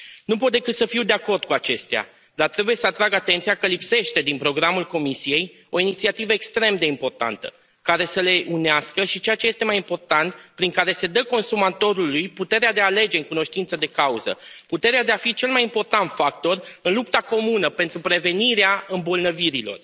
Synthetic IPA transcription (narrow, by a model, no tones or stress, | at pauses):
nupo̞t̪̚d̪e̞kɨt̪səfiwd̪e̞ako̞rd̪̚kuat͡ʃe̞st̪ea̰ | d̪art̪ɾe̞buje̞səat̪ɾaɡat̪e̞nt̪sijakəlipse̞ʃt̪e̞d̪inpɾo̞ɡɾamulko̞misije̞j | o̞init̪siat̪ivəekst̪ɾe̞md̪e̞impo̞rt̪a̰nt̪ə̰ | kaɾe̞səle̞ʔuneaskəʃit͡ʃe̞jat͡ʃe̞je̞st̪e̞majimpo̞rt̪ant̪pɾiŋkaɾe̞se̞d̪əko̞nsumat̪o̞ɾulujput̪e̞ɾead̪e̞ale̞d͡ʒe̞ɨŋkuno̞ʃt̪int̪səd̪e̞kauzə̰put̪e̞ɾead̪e̞afit͡ʃe̞lmajimpo̞rt̪ant̪fak̚t̪o̞rɨnlupt̪ako̞munəpe̞nt̪ɾupɾe̞ve̞niɾeaɨmbo̞lnəviɾilo̞̰r